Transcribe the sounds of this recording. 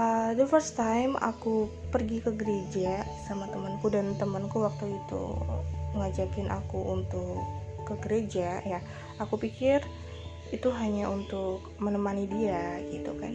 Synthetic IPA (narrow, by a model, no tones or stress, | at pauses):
ʔəd̪əfərst̪ajma̰kupərɡikəɡəɾed͡ʒasamat̪əmənkudant̪əmənkuwak̚t̪uit̪ṵməŋad͡ʒakɪnʔa̰kuʔunt̪ʊkːəɡəɾed͡ʒaja | akupikɪr | it̪uɦaɲaʔunt̪ʊk̚ | mənəmanidiaɡit̪uka̰n